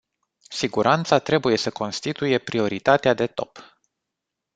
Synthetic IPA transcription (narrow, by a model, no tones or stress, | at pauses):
siɡuɾʔant̪sat̪ɾe̞buje̞səko̞nst̪it̪uje̞pɾio̞ɾit̪at̪ead̪e̞t̪o̞̰p